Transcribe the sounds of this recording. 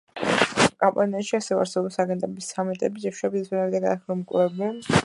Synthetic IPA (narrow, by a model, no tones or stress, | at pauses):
kʼampʼaniaʃiasɛvɛa̰ɾsɛbɔpsaɡɛ̃nt̪ʼɛbisːamɛt̪ʼɛbid͡ʒɛʃabissʰʼwɛnaɾid̪aɡad̪aχilɔmkʼvɛbɛn